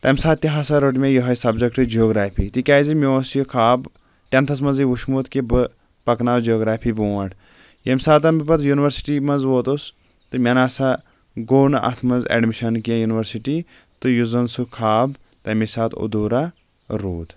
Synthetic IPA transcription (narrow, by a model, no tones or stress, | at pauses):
t̪ɐmʲsaːt̪̚t̪ʲiɦasaɾoʈ̬mʲẽjɔɦɐjsɐbd͡ʒɐkʈɨd͡ʒioːɡɾaːpʰiːt̪ikʲaːzimioːsjokʰaːb | ʈʲɐnt̪ʰɐsmɐnziʋuʃmuːt̪kibɨ | pɐknaːwd͡ʒioːɡɾaːpʰiːbuːɐʈ | jɐmʲsaːt̪ɐnbipɐt̪juniʋɐɾsi̥ʈimɐnzʋoːt̪us | t̪ɨmʲɐnaːsa | ɡoːnʔɐ̰t̪ʰmɐnzḛɖmiʃɐnkiɐ̃juniʋɐɾsiʈi | t̪ɨjuzɐnsukʰaːb | t̪ɐmisaːt̪ʰo̰d̪uɾa | ɾuːd̪